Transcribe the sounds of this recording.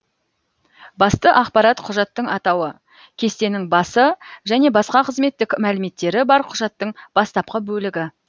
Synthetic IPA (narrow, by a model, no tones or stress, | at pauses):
bɑst̪əʔɑqpɑɾɑt̪qʰʊʒɑt̪ːəɴɑt̪ɑwə | kʲʰe̞st̪e̞nɪŋbɑsəʒæne̞bɑsqɑqʰəzme̞t̪ːɪkmælɪme̞t̪ːe̞ɾɪbɑɾqʰʊʒɑt̪ːəɴb̥ɑst̪ɑp̚qəbɵlɪɡʲɪ